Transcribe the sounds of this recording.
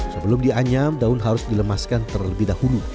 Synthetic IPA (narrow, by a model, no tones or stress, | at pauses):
səbəlʊmdiaɲamdaʊnɦaɾʊsdiləmaskant̪ərləbɪhdahulu